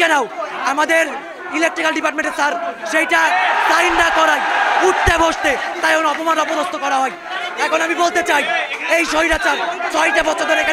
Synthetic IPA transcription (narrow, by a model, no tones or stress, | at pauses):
ɛnawamad̪eɾ | ilek̚ʈɾikalɖipaʈ̬meɳʈesaɾʃejʈat̪ajnɖakɔɾajuʈt̪ebʱoʃt̪et̪ajonoɔpomanɾɔpod̪ost̪okɔɾaɦɔj | ɛkʰonamibolt̪et͡ɕajejʃoiɾat͡ɕaɾsɔjʈabɔtːʃʰod̪oɾeka